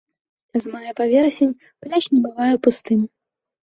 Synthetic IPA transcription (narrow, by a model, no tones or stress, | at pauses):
azmajapavʲɛɾɐsʲenʲ | plʲat͡ʃnʲɛbɨvajɛpust̪ɨmʲ